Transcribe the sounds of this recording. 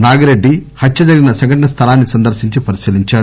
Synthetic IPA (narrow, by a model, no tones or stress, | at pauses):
naːɡɐɾeɖːihɐtːt͡ʃɐd͡ʒɐɾɡinɐsɐŋɡɐʈɐɳɐst̪ʰɐlaːnːisɐnd̪ɐɾʃiɲt͡ʃipɐɾisiːliɲt͡ʃaːɾ